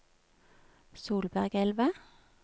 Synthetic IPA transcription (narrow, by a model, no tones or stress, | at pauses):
suːlbæʁɡɛlʋə